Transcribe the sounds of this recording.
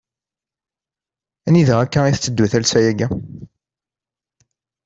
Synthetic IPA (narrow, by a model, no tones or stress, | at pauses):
æniðəʁækːæiθət͡sːəd̪ːwæθælsæjæɡæ